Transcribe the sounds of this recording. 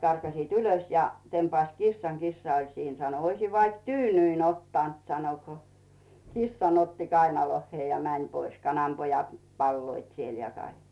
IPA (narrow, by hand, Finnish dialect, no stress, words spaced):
kɑrkɑsiːt ylos jɑ tempɑĭst kisːɑŋ kisːɑ olʲ siːn sɑno oisiʋ ʋɑik tyːnyin otːɑnt sɑno ko kisːɑn otːi kɑinolohːieˑ jɑ mænʲ pois kɑnɑmpojɑt pɑlːoit siel jɑ kɑik